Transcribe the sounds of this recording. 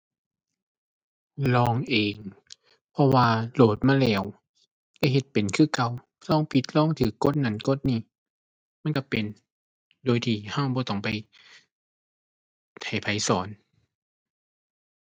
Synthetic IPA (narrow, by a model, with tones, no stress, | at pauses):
lɔː˧˩ŋʔeː˨˩ŋ | pʰɔ˧waː˧loː˨˩t̪̚maː˧˥˨lɛː˧˩w | lɛ˧˩ɦe˧˦t̪̚pe˨nkʰɯː˧˩˨ka˧w | lɔː˧˥˨ŋpʰi˧t̪̚lɔː˧˥˨ŋt̪ʰɯː˨˦kːo˧˥˨t̪̚na˨˦nko˧˥˨t̪̚niː˧˩ | ma˧˥˨nka˧˩pe˨n | doː˨˦jt̪ʰiː˧˩ha˧˩wbɔː˧˦t̪ɔ˧˩ŋpa˨j | t̪ʰa˨˩jpʰa˨˦jsɔː˩˦n